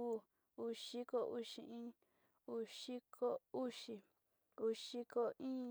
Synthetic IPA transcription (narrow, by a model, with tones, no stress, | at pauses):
u˦˧ | u˧ʃi˦ko˧ʔu˦ʃḭ˧ĩ˦ | u˧ʃi˦kʰo˦u˦ʃi˧ | u˧ʃi˧ko˧ʔĩː˦